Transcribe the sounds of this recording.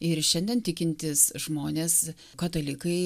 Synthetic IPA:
ɪɾʃʲɛnʲd̪ʲɛnt̪ʲɪkʲɪnʲt̪ʲɪsʒmoːnʲeːs | kɐt̪ɐlʲɪkɐɪ

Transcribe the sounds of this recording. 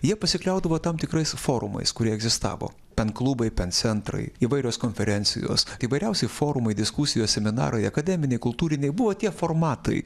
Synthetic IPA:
jiɛpɐsʲɪklʲɛʊd̪ɐʋoːt̪ɐmt̪ʲɪkɾɐɪsfoːɾʊ̰mɐ̰ɪskʊɾʲiɛɛɡzʲɪst̪ɑ̰ːʋo̰ː | pʲɛnklˠuːbɐɪpʲɛnt̪sʲɛnt̪ɾɐ̰ɪiːʋɐɪɾʲoːskoːnʲfʲɛɾʲɛnʲsʲɪ̰jo̰ːsiːʋɐɪɾʲɛʊsʲɛɪfoːɾʊmɐɪd̪ʲɪskusʲɪjoːsʲsʲɛmʲɪnɑ̰ːɾɐɪɐkɐd̪ʲɛːmʲɪnʲɛɪkʊlˠt̪uːɾʲɪnʲɛɪbʊʋoːt̪ʲiɛformɑːt̪ɐ̰ɪ

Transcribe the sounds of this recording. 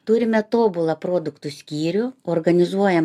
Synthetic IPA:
t̪uːɾʲɪmʲɛt̪oːbʊlˠɐpɾoːd̪ʊkt̪ʊsʲkʲiːɾʲʊoːrɡɐnʲɪzuɔjɛ

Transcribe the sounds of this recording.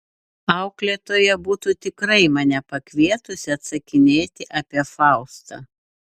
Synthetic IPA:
ɑˑʊklʲeːt̪oːjɛbuːt̪uːt̪ʲɪkɾɐɪmɑnʲɛpɐkʲʋʲiɛt̪ʊsʲɪɐt̪sɐkʲɪnʲeːt̪ʲɪʔɑːpʲiɛfɑˑʊst̪ɐ̰ː

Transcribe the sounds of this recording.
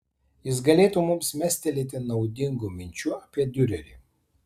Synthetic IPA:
jɪs̬ɡɐlʲeːt̪umʊmsmʲɛsʲt̪ʲɛlʲiːt̪ʲɪnɒʊd̪ʲɪŋɡʊmʲɪnʲt͡ʃʲʊɐpʲiɛd̪ʲʊɾʲɛlʲḭː

